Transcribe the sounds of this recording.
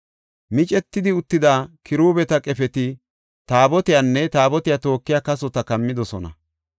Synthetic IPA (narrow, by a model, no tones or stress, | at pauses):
mɪt͡ʃʼɛt̪ːɪd̪ɪʊt̪ːɪd̪aːkʰɪɾuːbɛt̪ɐkʼɛfɛt̪ɪ | t̪aːbɔt̪ɪjanːɛt̪aːbɔt̪ɪjaːt̪o̞ːkːɪjaːkɐsɔt̪ɐkɐmːɪd̪ɔsɔnɐ̰